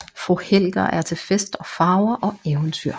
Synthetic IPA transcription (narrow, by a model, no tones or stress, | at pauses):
fʁuhel̰ɡ̥ɐʔæɐt͡sʰe̝lfesd̥ɒ̽fɑ̈ːʊɐʔɒ̽eːʊənt͡sʰy̰ɐ̰